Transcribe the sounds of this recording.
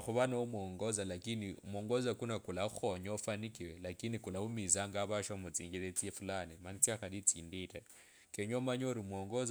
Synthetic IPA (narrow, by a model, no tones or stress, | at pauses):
xuβanaumwoŋɡozalakiniumoŋɡozakunakulaxoɲofanikiwelakinikulaumizaŋɡaβaʃamut͡siːŋɡilet͡siefulanimanit͡siaxadit͡siːndita | keɲomaɲoɾimoŋɡoz